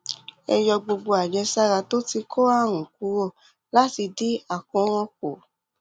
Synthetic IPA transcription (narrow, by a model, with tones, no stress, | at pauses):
ɛ˧jɔ˧ɡ͡bo˧ɡ͡bo˧a˨d͡ʒɛ˧sa˦ɾa˧to˦ti˧kʰɔ˦a˦˨ɾ̃ũ˨ku˨˦ɾo˦˨ | la˦ti˧di˦a˦˨kɔ̃˨˦ɾ̃ɔ̃˧ko˨